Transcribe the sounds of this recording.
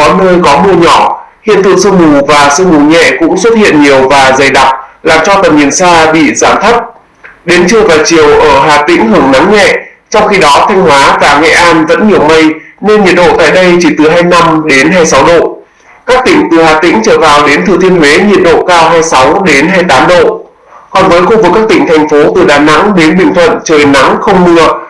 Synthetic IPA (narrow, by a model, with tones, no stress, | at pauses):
kɔ˨˦nəː˧jkɔ˨˦mɨ˧əɲɔ˧˩hḭ˧˨ənt̪ʰɨ̰˧˨ŋsɨ˧mu˨˩vaː˨˩sɨ˧mu˨˩ɲɛ̰˧˨kʊ̰˧˥ŋ͡mswt̚hḭ˧˨ənɲi˨˩əwvaː˨˩zə˨˩jɗa˦˥˩p̚laː˨˩mt͡ɕɔ˧t̪ə˨˩nɲi˨˩ənsaː˧ɓḭ˧˨zaː˨˧˩nt̪ʰə˦˥t̚ | ɗe˨˦nt͡ɕɨ˧əvaː˨˩t͡ɕi˨˩əwʔəː˧˩ɦaː˨˩t̪ï˧˥ŋ̟ɦɨ˨˩əŋna˨˦mɲɛ̰˧˨ | t͡ɕɔ˧wŋ͡mxi˧ɗɔ˨˦t̪ʰa˧jŋ̟hwaː˨˦kaː˧˩ŋɛ̰˧˨ʔaː˧nvə̰˧˥nɲi˨˩əwmə˧jne˧nɲi˨˩ət̚ɗo̰˧˨t̪a̰ː˧˨jɗə˧jt͡ɕi˧˩t̪ɨ˨˩ɦaː˧jna˧mɗe˨˦nɦaː˧jsa˨˦wɗo̰˧˨ | kaː˦˥k̚t̪ï˧˩ŋ̟t̪ɨ˨˩haː˨˩t̪ḭ̈˧˥ŋ̟t͡ɕəː˧˩vaː˨˩wɗe˨˦nt̪ʰɨ˨˩t̪ʰi˧ənhwe˨˦ɲḭ˨ət̚ɗo̰˧˨kaː˧wɦaː˧jsa˨˦wɗe˨˦nɦaː˧jt̪aː˨˦mɗo̰˧˨ | kɔ˨˩nvəː˨˦jxu˧vɨ˨˩kːaː˦˥k̚t̪ï˧˩ŋ̟t̪ʰɛ˨˩jŋ̟fo˨˦t̪ɨ˨˩ɗaː˨˩na̰˧˥ŋɗe˨˦nɓï˨˩ŋ̟t̪ʰwə̰˧˨nt͡ɕəː˨˩jna̰˧˥ŋxə˧wŋ͡mmɨ˧ə